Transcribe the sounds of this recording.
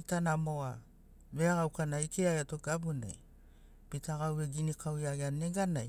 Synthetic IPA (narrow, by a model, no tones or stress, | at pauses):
pitanamo̞a | βeaɡawkanaikeajatoɡ̥abuna̰j | pitaɡawe̞ɡinikʰawiaɡeane̞ɡanaj